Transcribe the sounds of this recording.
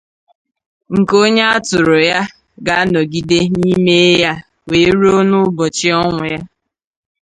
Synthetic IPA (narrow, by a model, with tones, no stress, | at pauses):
ŋ̩˨ko˦ɲe˦a˦tʊ˨ɾʊ˨ja˦ | ɡa˨a˦nɔ˨ɡi˦de˦ni˦me˦ja˦ | weː˨˦ɾo˦nʊ˦bɔ˨t͡ʃɪ˦ɔ˦ŋʷʊ˨ja˦